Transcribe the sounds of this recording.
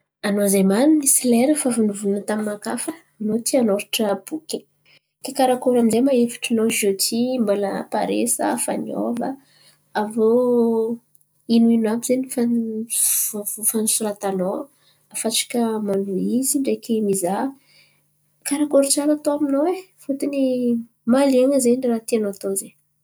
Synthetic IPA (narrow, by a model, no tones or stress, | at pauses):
anozemanunisileɾəfavunuvunat̪amimakafəːnot̪ʰianoɾiʈ͡ʂəb̥ukʲe | kekaɾakoɾaminzejmaefi̥ʈ͡ʂanoʒot̪ʰimbolə̰paɾḛsəfa̰nio̰və̰ | avo | inuinabizenifan | fanusuɾat̪ano | afat͡ʃḁkəmanuiziɳɖ͡ʐekimiza | kaɾakoɾit͡ʃalat̪oaminowe | fut̪ini | malieŋəzeɖ͡ʐrat̪ianoat̪oze